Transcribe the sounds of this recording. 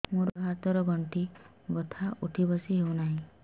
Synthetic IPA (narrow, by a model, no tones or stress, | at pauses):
moɾɦat̪ɔɾɔɡɔɳʈi | ɡɔt̪ʰaʔuʈʰibɔsiɦewnaɦĩ